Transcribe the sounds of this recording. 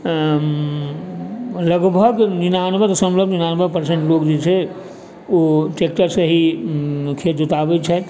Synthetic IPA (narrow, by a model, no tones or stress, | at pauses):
ləɡbʱəɡnɪnaːnbʱət̪sə̃mləbʱnɪnaːnbʱəpəɾsẽɳʈloːkd͡ʒet͡ʃʰɛ | oʈeːk̚ʈəɾseɦi | kʰeːt̪d͡ʒʊt̪aːbet͡ʃʰɛ